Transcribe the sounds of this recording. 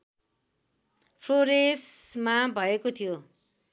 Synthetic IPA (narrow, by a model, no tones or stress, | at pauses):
pʰroɾesmabʱʌekot̪ʰijo